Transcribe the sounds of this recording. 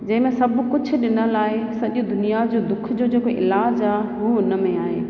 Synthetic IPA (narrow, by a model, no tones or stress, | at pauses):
d͡ʑɐ̃ɦɪ̃mẽsɐbkʊd͡ʑʱʊ̆ɗɪnəlaːɪsɐʄũd̪ʊnijad͡ʑoːd̪ʊkʰd͡ʑoːd͡ʑeːkoʔɪ̰laːd͡ʑaːɦɦuːɪnə̆mẽaːɦḛː